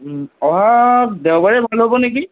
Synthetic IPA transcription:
ɔɦadɛwbaɹɛbʱalɦobɔneki

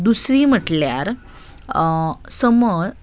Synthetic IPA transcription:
d̪usɾiːm̤əʈljaɾ | səmə

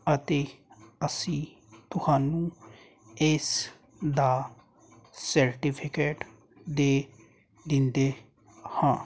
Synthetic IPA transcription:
ət̪eːəsĩː | t̪ʊhaːnũː | ɪs | d̪aː | səɾʈiːpʰɪkeːʈ | d̪eː | d̪ɪnd̪eː | hãː

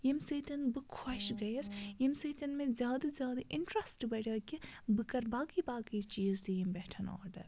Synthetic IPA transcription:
jimseːt̪ɐnbɨkʰɐʃɡɐjɐsjimset̪ɐnmẽzʲjaːd̪ɐzʲjaːd̪ɐʔɪɳʈɾɐsʈbɐɽʲɐːkibɨkɐɾbaːɡibaːɡit͡ʃiːzd̪ijimbɛːʈʰɐnɔ̰ːɾɖɐ̰ɾ

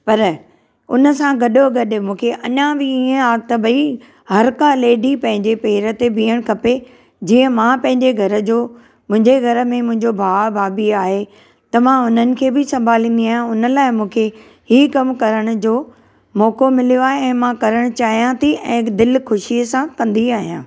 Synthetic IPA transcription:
pɐɾ | ʊ̰nə̆sãɡɐɗoɡɐɗmũːkʰeʔɐɲãbɪiːə̃aːt̪ɐbʱɐi | hɐɾkãleːɖipɐ̃ɦɪ̃ɲd͡ʑepeːɾə̆t̪ebʱiːəɽ̃kʰɐpe | d͡ʑiːə̃mãːpɐ̃ɦɪ̃ɲd͡ʑeɡʱɐɾəd͡ʑoː | mʊ̃ɦɪ̃ɲd͡ʑeɡʱɐɾə̆mẽmʊ̃ɦɪ̃ɲd͡ʑobʱaːbʱaːbiaːɦe | t̪ɐmãʊn̤ənɪ̆kʰeːbɪsɐ̃mbʱaːlĩːn̆d̪iaːɦjãʊnəlaːɪmũːkʰe | ɦikɐmkɐɾəɽ̃ʊd͡ʑoː | mɔːkomɪlijoaːɦeɛ̃ːmãkɐɾəɽ̃t͡ɕaːɦijãt̪ʰiɛ̃ːd̪ɪlkʊʃiəsãkɐ̃nd̪iaːɦijãː

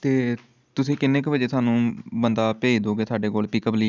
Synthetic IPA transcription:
t̪eː | t̪ʊsĩːkɪnːeːkbəd͡ʒeːt̪ʰaːnũːbənd̪aːpeːd͡ʒd̪oːɡeːsaːɖeːkoːlpiːkəpliː

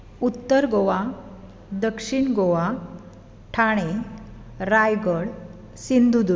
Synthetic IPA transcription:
ut̪ːəɾɡoʋa | d̪əkʂiɳɡoʋa | ʈʰaɽ̃e | ɾajɡəɭ | sind̪ʱud̪u

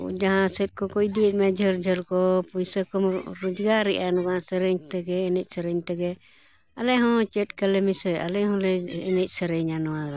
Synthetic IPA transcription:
ṵd͡ʒaɦãsɛt̪̚kɔkɔid̪iɛt̪̚mɛd͡ʒəɾd͡ʒʱəlkɔpujsəkɔmɾud͡ʒɡaɾiʔanɔɡaãsəɾɛɲt̪ɛɡɛːnɛc̚ˀsəɾɛɲt̪ɛɡɛ | alɛɦɔ̃t͡ʃɛt̪̚kalɛmisɛa̰lɛɦɔ̃lɛːnɛc̚səɾɛɲanɔwaɡa

